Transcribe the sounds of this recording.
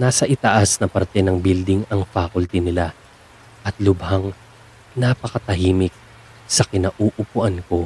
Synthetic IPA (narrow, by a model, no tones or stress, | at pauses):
naːsɐʔɪt̪aʔasnɐpɐɾt̪ɛnɐŋbild̪ɪŋɐŋfaːkʊlt̪ɛnɪla | ʔɐt̪̚lʊbhɐŋ | napɐkɐt̪ɐɦiːmɪk̚ | sɐkɪnaʔuːʔʊpʊʔɐnko̞